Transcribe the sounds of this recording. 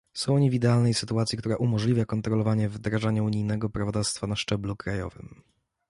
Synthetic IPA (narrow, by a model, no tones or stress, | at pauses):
sɔ̃w̃ɔɲivid̪ɛalnɛjsɘt̪uat̪sʲjikt̪uɾaʔumɔʐlʲivʲjakɔnt̪ɾɔlɔvaɲɛvd̪ɾaʐaɲauɲijnɛɡɔpɾavɔd̪afst̪fanaʂt͡ʂɛblukɾajɔ̰vɘ̰m